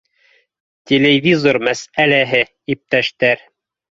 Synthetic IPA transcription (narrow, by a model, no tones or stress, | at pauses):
t̪ʲelʲevʲizormæsælæɦɘ | ip̚t̪æʃt̪æɾ